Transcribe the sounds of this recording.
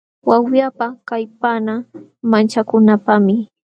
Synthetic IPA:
wawjapakajpana | mant͡ʃakʊnapamɪ

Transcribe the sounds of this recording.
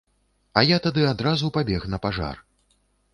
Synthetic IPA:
ɐjat̪ad̪ɨad̪ɾazupabʲɛxnɐpaʐa̰r

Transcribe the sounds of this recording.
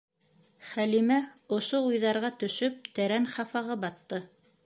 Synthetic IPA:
χælimæŏʃoujðɑɾʁɑt̪ɵ̆ʃɵp̚t̪æɾænχɑfɑʁɤbɑt̪ːɤ

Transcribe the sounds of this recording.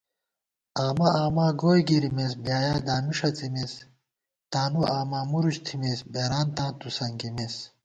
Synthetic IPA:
aːmɐaːmãːɡoːjɡiɾimes̬bjaːjaːd̪aːmiʂɐt͡simes | t̪aːnuʔaːmaːmuɾuɕt̪ʰimesbeːɾaːnt̪ãːt̪usɐŋɡimes

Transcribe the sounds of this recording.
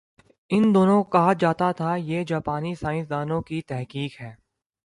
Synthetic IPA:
ɪnd̪oːnõkɐɦad͡ʒaːt̪at̪ʰajeːd͡ʒaːpaːnisaːɪ̃sd̪aːnõkit̪ɛɦkiːkɦɛː

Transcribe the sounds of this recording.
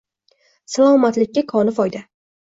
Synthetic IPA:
salˠɒmat̪lɪk̚ʲːakʰɒnɪfɒjd̪a

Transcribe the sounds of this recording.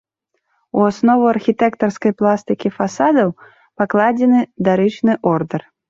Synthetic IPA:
uasnɔvuarxʲit̪ɛkt̪ɐrskɐjplˠast̪ɨkʲifasad̪ɐw | paklˠad͡zʲɛnɨd̪aɾɨt͡ʃnɨʔɔrd̪ɛr

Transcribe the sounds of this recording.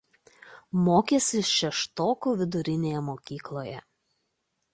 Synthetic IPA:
moːkʲesʲɪʃʲɛʃt̪oːkuːʋʲɪd̪ʊɾʲɪnʲeːjɛmoːkʲiːklˠoːjɛ

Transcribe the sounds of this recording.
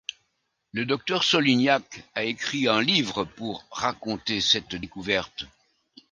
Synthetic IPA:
ləd̪ɔk̚t̪œʁsɔlinjakaekχiɛ̃livʁəpuʁːakɔ̃t̪esɛt̪d̪ekuvɛʁt̪

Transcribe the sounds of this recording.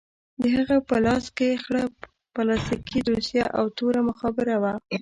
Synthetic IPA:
d̪əɦaɣapəlɑskexɽa | palɑst̪ikʰid̪osjaʔawt̪oɾaməxɑbɪɾawa

